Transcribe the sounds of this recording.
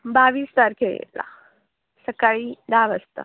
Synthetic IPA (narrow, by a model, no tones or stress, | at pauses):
baʋiːst̪aɾkʰeɭḛla̰ | səkaɭiːd̪aʋəst̪ə̰